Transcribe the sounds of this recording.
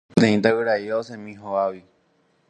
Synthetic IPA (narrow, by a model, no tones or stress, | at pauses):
t̪ẽĩt̪aɨɾaiosẽmĩɦoawi